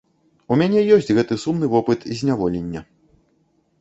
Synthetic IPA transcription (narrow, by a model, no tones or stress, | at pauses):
umʲanʲɛjɔsʲt͡sʲɣɛt̪ɨsumnɨvɔpɨt̪zʲnʲavɔlʲenʲːɐ